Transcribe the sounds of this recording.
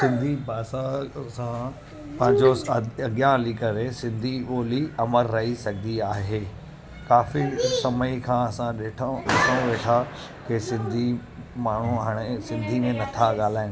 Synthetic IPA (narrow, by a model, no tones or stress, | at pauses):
sɪ̃nd̪ʱibaːsasã | pɐ̃ɦɪ̃ɲd͡ʑoɐɠjãlikɐɾesɪ̃nd̪ʱioːliɐməɾːɐɦisɐɡd̪iaːɦeː | kaːfisɐməikʰãːɐsãɗeːʈʰesʰãʋeːʈʰa | kesɪ̃nd̪ʱi | maːɳ̤uɦaːɽ̃esɪ̃nd̪ʱimẽnɐt̪ʰaɠaːl̤aːɪ̃ñ